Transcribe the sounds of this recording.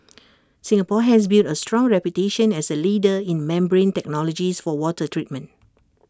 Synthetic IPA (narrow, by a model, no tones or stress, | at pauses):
sĩŋapɔɦɛs̬biltəstɹɔ̃ŋɹɛpjuteʃə̃nɛsəlidəĩnmɛ̃mbɹẽntɛk̚nɔlɔd͡ʒisfɔwɔtətʰɹit̚mə̃nt